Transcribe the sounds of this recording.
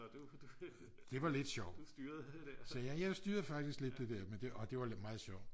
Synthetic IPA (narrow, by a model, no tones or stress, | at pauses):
d̥e̝ʋɑ̈le̝d̥ɕɒʊ̰̥ɐsɛjæjaɪsd̥yːɐð̩ˠfɑ̈ɡ̥d̥isɡ̥le̝d̥ːe̝d̥ɛɐmend̥e̝ɒ̽d̥e̝ʋɑ̈mɑ̈ːð̩ˠɕɒʊ̰